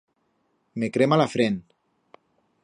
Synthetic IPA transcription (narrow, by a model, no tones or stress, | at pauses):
mekɾemalafɾen